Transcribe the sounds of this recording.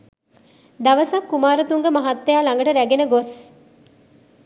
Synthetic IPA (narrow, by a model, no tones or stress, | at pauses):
d̪ɐʋɐsɐkːumaːɾɐt̪uŋɡemɐɦɐt̪ːejaːlaŋɡɐʈəɾæɡenəɡos